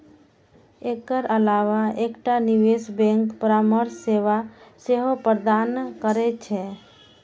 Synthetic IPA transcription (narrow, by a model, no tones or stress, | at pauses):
ekəɾəlaʋaekʈaniwesbɛ̃ŋkpəɾaməɾsːeʋaseɦopəɾd̪ankəɾɛt͡ʃʰɛ